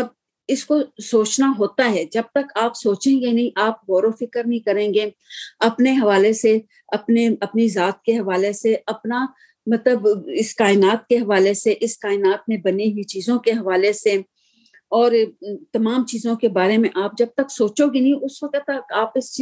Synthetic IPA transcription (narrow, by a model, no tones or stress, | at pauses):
ɐb | ɪskosoːt͡ʃnaɦoːt̪aɦɛːd͡ʒɐb̚t̪ɐkaːpsoːt͡ʃẽːɡenɐɦĩʔaːp̚ɦɔːɾofɪkəɾnɐɦĩkɐɾẽːɡe | ɐpneɦɐʋaːlese | ɐpneɐpnizaːt̪̚keɦɐʋaːleseɐpna | mɐt̪ləbɪskaːɪnaːt̪̚keɦɐʋaːleseʔɪskaːɪnaːt̪̚mẽbɐniɦʊit͡ʃiːzõkeɦɐʋaːlese | ɔːɾt̪ɐmaːmt͡ʃiːzõkebaːɾemẽʔaːp̚d͡ʒɐb̚t̪ɐksoːt͡ʃoɡinɐɦĩʔʊsʋɐkət̪aːpɪs